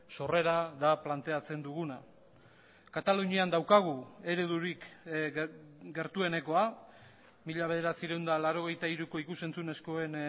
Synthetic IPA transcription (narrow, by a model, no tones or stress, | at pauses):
so̞re̞ɾaðaplant̪e̞at͡se̞nd̪uɣuna | kat̪aluɲiand̪awkaɣ̞ue̞ɾe̞ðuɾik | ɡe̞ɾt̪ue̞ne̞ko̞a | miʎaβe̞ð̞e̞ɾat͡siɾe̞wnd̪alaɾo̞ɣ̞e̞jt̪aiɾuko̞ikuse̞nt͡sune̞sko̞e̞n